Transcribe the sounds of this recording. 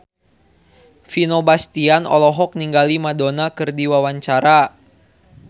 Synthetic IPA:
finobast̪ianɔ̰lɔɦɔk̚niŋɡalimadonakɨrdiwawaɲt͡ʃaɾa

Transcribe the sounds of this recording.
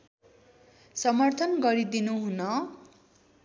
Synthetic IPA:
sʌmʌrt̪ʰʌnɡʌɾid̪inuɦunʌ

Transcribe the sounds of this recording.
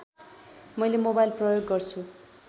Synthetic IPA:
mʌjlemobajlprʌjoɡːʌrt͡sʰu

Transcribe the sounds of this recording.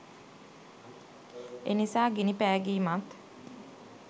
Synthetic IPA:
ḛnisaːɡinipæːɡiːmat̪

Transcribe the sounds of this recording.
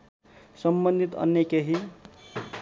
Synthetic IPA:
sʌmbʌnd̪ʱit̪ʌ̰njekeɦi

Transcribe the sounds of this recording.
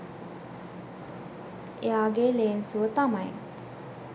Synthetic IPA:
eaːɡeleːnsuʋət̪amaj

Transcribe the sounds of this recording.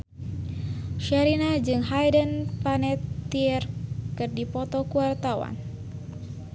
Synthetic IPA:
ʃaɾinad͡ʒɨŋɦajdənpanɛt̪ːiɛrkɨrdipɔt̪ɔkuwart̪awa̰n

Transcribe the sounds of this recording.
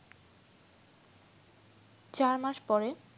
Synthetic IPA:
t͡ɕaɾmaʃpɔɾe

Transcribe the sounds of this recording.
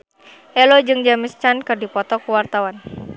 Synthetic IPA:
ʔɛlɔd͡ʒɨŋd͡ʒamɪst͡ʃankɨrdipɔt̪ɔkuwart̪awan

